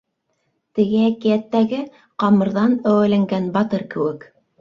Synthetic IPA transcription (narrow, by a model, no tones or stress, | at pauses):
t̪ɘ̆ɡɘækijæt̪ːæɡɘ | qɑmɤ̆ɾðɑnæwælæŋɡænbɑt̪ɤɾkɘ̆wɘk